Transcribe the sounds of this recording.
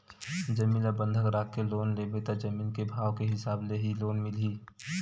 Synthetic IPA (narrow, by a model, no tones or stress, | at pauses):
d͡ʒəmiːləbə̃nd̪ʱəkɾaːkːeloːnlebet̪ad͡ʒəmiːlkebʱaːwkeɦɪsaːbleɦiloːnmɪliː